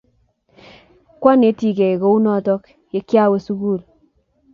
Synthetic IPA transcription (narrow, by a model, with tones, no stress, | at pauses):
kwa˦ne˨˦ti˦˨ke˨ko˦u˦nɔ˦˨tɔ˦k | je˦kja˦we˦su˦ku˦˨l